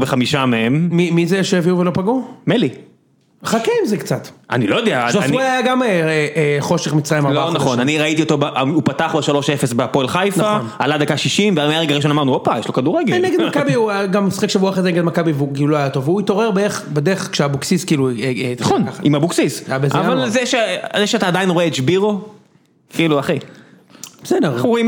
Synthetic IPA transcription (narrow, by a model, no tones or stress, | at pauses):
beχamiʃameemmimizeʃeeviuvelo̞paɡumeli | χakeimzekt͡sat̪a̰nilojod̪eaaajaɡameeχo̞ʃeχmit͡sʁajmannaχonaniʁait̪io̞t̪obaʔaupat̪aχbeʃalo̞ʃefesbepoelχajfnaaχonalad̪akaʃiʃimvealmajaʁeɡaʁiʃ̬onamaʁnuopajeʃlokad̪uʁeɡeeneɡd̪makabiuɡamːisχekʃebuaχezeneɡed̪makabiveukiuloajat̪o̞veuit̪o̞ʁeʁbeeχbedeχkʃeabuksiskiːluaχonkaaimabuksisajabezavalzeʃezeʃeataːd̪ainʁoeet͡ʃbiʁo | kiːluaχi | zenaʁoim